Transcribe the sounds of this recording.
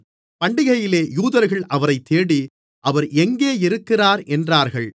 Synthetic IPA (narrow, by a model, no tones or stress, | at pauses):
pɐɳɖɪɣɐjɪleːjuːðɐɾɣɐɭʔɐʋɐɾɐɪt̪ːeːɽi | ʔɐʋɐɾʔɛŋɡeːɪɾɯkːɪraːɾɛndraːɾɣɐɭ